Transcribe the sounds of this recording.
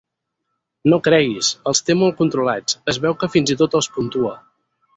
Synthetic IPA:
nokɾɛɣisəlˠst̪emolˠkunt̪ɾulat͡səzβɛwkəfinzit̪ot̪əlˠspunt̪uə

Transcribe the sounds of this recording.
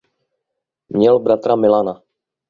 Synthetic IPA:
mɲɛlbɾat̪ɾamɪlana

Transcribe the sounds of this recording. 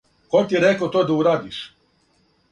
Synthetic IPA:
kot̪ijeɾekot̪oːd̪auɾaːd̪iʃ

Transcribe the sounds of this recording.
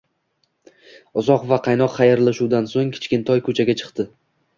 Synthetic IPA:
ʊzɒqvaqʰɑjnɒqχɑjaɾlaʃuwd̪ansoŋkʲʰɪ̥t͡ʃkʲɪnt̪ʰɒjkʰɵt͡ʃʰaɡʲat͡ʃʰɨ̥qt̪ɪ

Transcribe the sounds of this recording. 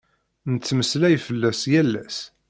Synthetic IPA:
nət͡sːməslæjfəlːæsjælːæ̰s

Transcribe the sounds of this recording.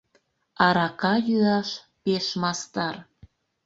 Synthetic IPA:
ɑɾɑkɑjyɑʃ | peʃmɑst̪ɑr

